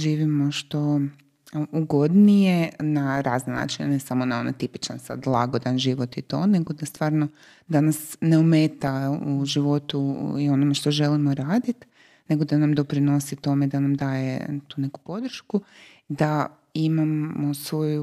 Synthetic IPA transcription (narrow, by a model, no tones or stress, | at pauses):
ʒiːʋimo̞ʃt̪o̞ | uɡo̞d̪nijenaɾaːznena̰ːt͡ʃinenesamonao̞na̰t̪ipi̥t͡ʃansa̰d̪lˠa̰ɡo̞d̪anʒiʋo̞t̪it̪o̞̰ne̞ɡod̪ast̪ʋaːɾno | d̪anasne̞ume̞ːt̪auʒiʋo̞t̪uio̞nome̞ʃt̪o̞ʒe̞limo̞ɾaːd̪it̪ | ne̞ɡo̞d̪anamd̪o̞pɾino̞sit̪o̞me̞d̪anamd̪aːje̞̰t̪uːne̞ku̥po̞d̪ɾ̩ʃku | d̪a | imamosʋo̞ju